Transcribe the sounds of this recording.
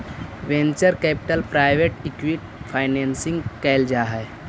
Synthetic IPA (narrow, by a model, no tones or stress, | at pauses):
ʋẽnt͡ʃəɾkɛːpɪ̥ʈəlpɾaːɪʋeʈɪkʋiʈ̚pʰaːɪneːnsɪ̃ŋɡkɛɪld͡ʒaɦɛ